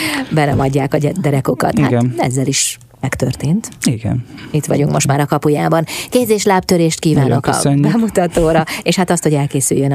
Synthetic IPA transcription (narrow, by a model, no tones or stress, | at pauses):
bɛnɛmɒɟːaːkɒd̪ɛɾɛko̞kɒ̰t̪hha̰ɡ̪ɛ̰zːɛliʃ | mɛkt̪ørt̪eːnt̪iɡɛ̰nit̪ʋɒ̰ɟuŋkmoʃt̪maːɾɒkɒpujaːbɒnkeːzeːʃlaːp̚t̪øɾeːʃt̪̚kiːvaːnokɒ̰nbɛmut̪ɒt̪oːɾɒeːʃhat̪ɒst̪ho̞ɟɛlkeːsy̰jːøn